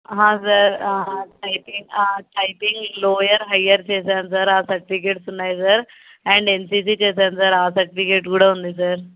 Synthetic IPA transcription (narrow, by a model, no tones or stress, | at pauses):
ɦãsəɾʈajpiŋʈajpĩŋɡlojəɾɦajəɾt͡ɕesənsəɾasək̚ʈ̪ikeʈsunaːjsəɾ | ɛ̃ːɳɖensisit͡ɕes̬ənsəɾasək̚ʈikeːʈɡuɽ̤əɦũːnd̪is̬əɾ